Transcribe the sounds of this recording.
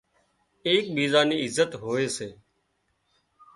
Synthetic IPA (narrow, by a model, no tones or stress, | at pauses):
eːk̚ɓiːzaːniːɪzət̪ɦoːeːseː